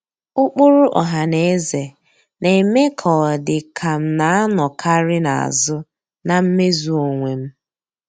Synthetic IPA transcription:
ʊ˦k͡pʊ˦ɾʊ˦ʔɔ̰˨ɦa˨ne˨e˦ze˨ | ne˨me˦kʰɔ˨dɪ˨kʰa˨m̩˦na˨˦a˦nɔ˨kʰa˦ɾɪ˦na̰˨a̰˨zʊ˦ | na˨m̩˦me˦zu˨o˨ŋʷe˨m̩˦

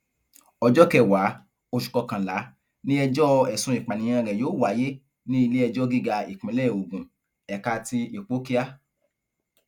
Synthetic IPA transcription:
ɔ˧d͡ʒɔ˦kɛ˦˨wa˨˦ | o˧ʃu̥˨kɔ˧kã˨la˨˦ | nĩ˦ɛ˧d͡ʒɔ˦ɛ˨sũ˨˦i˨k͡pa˨nĩ˨˧˦ã˧ɾɛ˨joː˨˦˨wa˨˦je˦ | nĩ˦i˧le˦ɛ˧d͡ʒɔ˦ɡi˦ɡa˧ḭ˨k͡pĩ˨˦lɛ˦˨o˨ɡũ˨ | ɛ˨ka˧ti˧i˨k͡po˨˦ki˦a˦

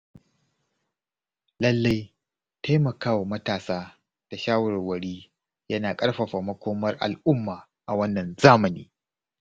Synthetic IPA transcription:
lɐ˦lːa˦j | tʰa˦jmɐ˨kaː˦wa˨mɐ˦taː˨saː˦ | d̥a˨ʃaː˦wɐ˨rwɐ˨ɽiː˦ | jɐ˦naː˨kʼɐ˦ɽɸɐ˨ɸaː˨mɐ˦kʷoː˦mɐ˦rʔa̰˨lʔʊ˦mːaː˨ | ʔa˨wɐ˦nːɐ˨nzaː˦mɐ˨niː˦

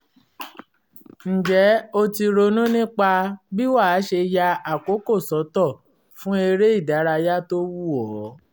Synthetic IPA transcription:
n̩˨d͡ʒɛ˨˦o˧ti˧ɾo˧nũ˦nĩ˦k͡pa˧bi˦wa˦˨˦ʃe˧ja˧a˨ko˨˦ko˦˨sɔ˨˦tɔ˦˨ | fũ˦e˧ɾe˦i˦˨da˨˦ɾa˧ja˦to˦wu˦˨ɔ˨˦

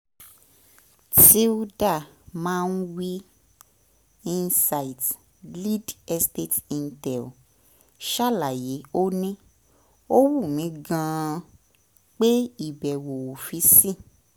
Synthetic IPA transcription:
ti˦u˦da˦˨mãː˦˧˦n̩˦wi˦ | i˦nsa˧i˨t | li˦dɛ˧ste˦˨tĩ˧n˦tɛ˨l | ʃa˦˨la˨je˨˦o˦nĩ˦ | o˦wu˦˨mĩ˨˦ɡã˧ | k͡pe˦i˦˨bɛ˨wo˨wfi˧˦sĩ˦˨

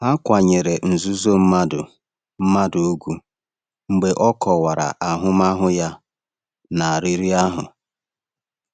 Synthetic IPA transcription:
a˦kʷa˨ɲe˨ɾe˨n̩˨zu˦zo˦m̩˦ma˦dʊ˨ | m̩˦ma˦dʊ˨o˦ɡʷu˦ | ŋ͡m̩˨ɡ͡be˨ʔɔ˦kɔ˨wa˨ɾa̰˨ʔa˨ɦʊ˦ma˦ɦʊ˦ja˦ | na˨a˨ɾi˦ɾi˦a˦ɦʊ̰˨

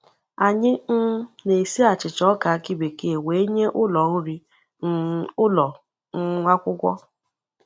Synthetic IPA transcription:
a˨ɲɪ˦n̩˦ne˨si˦a˨t͡ʃɪ˨t͡ʃɔ˦ka˨a˦ki˦be˨ke˨we˨˦e˦ɲe˦ʔʊ˦lɔ˨n̩˦ɾi˦ | ʊ˦lɔ˨ | ŋ̩˦ŋʷa˦kʷʊ˦kʷɔ̰˦

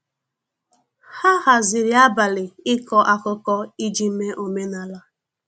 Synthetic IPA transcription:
ha˦ha˨zɪ˨ɾi˨˦a˦ba˨lɪ˨ɪ˦kɔ˨ʔa˨kʊ˦kɔ˦i˦d͡ʒi˦m̩˦me˦ʔo˨me˦na˨la˦

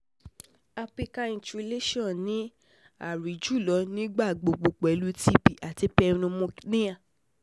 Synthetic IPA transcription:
a˧fi˧ka˧ĩ˨t͡ʃu˧i˧le˦ʃɔ̃˦˨nĩ˨˦ | a̰˦˨ɾi˨d͡ʒu˦˨lɔ˨˦nĩ˦ɡ͡ba˦˨ɡ͡bo˨ɡ͡bo˨k͡pɛ˨˦lu˦ti˦bi˨a˨ti˨˧˦pɛ˧˦nũ˧mõ˧nĩ˦ã˦˨

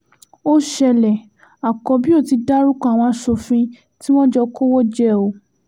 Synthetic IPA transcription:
o˦ʃɛ˧lɛ˨ | a˨kɔ˧˦bĩ˦o˦˨ti˧da˦ɾu˦kɔ̃˦a˨w̃ɔ̃˧a˨˧ʃo˧fĩ˧ | ti˦w̃ɔ̃˦d͡ʒɔ˧ko˦wɔ˦d͡ʒɛ˦o˧˦

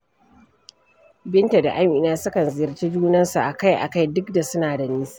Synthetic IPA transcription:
bɪ˦nta˨da̰˨ʔa˦mʔɪ˨naː˦sʊ˦kɐ˨nzɪ˨jɐ˨rt͡ʃi˦d͡ʒuː˦nɐ˦nsu˨ʔa˨ka˦jʔa̰˨ka˦jdʊ˦kda˨sʊ˦naː˨da˨niː˦s

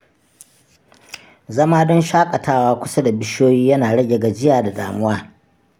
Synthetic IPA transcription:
zɐ˦maː˦dɔ˦nʃaː˦kʼɐ˨taː˦waː˦kʷʊ˦sa˦da˨bɪ˦ʃoː˦jiː˦jɐ˦naː˨ɽɐ˦ɡʲe˨ɡa˨d͡ʒɪ˦jaː˨da˨daː˨mʊ˦waː˦

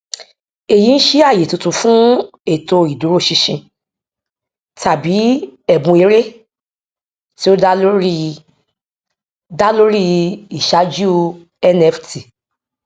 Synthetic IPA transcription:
e˨ji˨˦ñ̩˦ʃi˦a˦˨je˨tu˧tũ˧fũ˦ | e˨to˧i˨du˨˦ɾo˦˨ʃi˧ʃĩ˧ | ta˨bi˨˦ɛ˦˨bũ˧e˨˦ɾe˦ | ti˦o˦da˦lo˦ɾi˦˧ | da˦lo˦ɾi˦i˨ʃa˨˦d͡ʒu˦ | ɛ˦nɛ˧fti˨

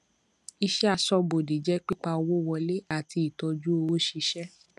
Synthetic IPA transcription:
i˧ʃɛ˦a˧sɔ˧bo˨de˨d͡ʒɛ˦k͡pi˦k͡pa˧o˧wo˦˨wɔ˧le˦a˦˨ti˧i˨tɔ˧d͡ʒu˦o˧wo˦ʃi˧ʃɛ˦

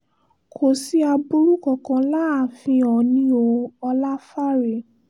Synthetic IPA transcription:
kʰo˨si˦a˧bu˦ɾu˦kɔ˨kã˧la˦a˨fĩ˧ɔ˨nĩ˨˦o˧ɔ˧la˦fa˦ɾe˨

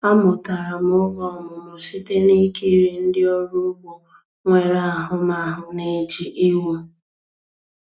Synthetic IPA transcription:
a˦mʊ˨ta˨ɾa˨m˦ʊ˦ɡɔ˦˨mʊ˨mʊ˨si˦te˦ni˦ke˦˨ɾi˨n̩˦dɪ˦ɔ˦ɾu˦ɡ͡bo˨ | ŋʷe˨ɾa˨a˨ɦʊ˦ma˦a˨ɦʊ˨ne˦d͡ʒi˨ʔi˦wu˦

